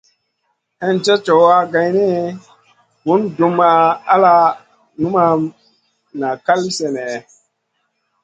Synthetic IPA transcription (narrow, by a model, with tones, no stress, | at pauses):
ɛ˦nd͡ʒɛ˦t͡ʃo˨wa˦ɡa˧˨jni˦ | mu˦ndu˨ma˧a˦la˦ | nu˦ma˧ | na˨ka˦lsɛ˨nɛ˨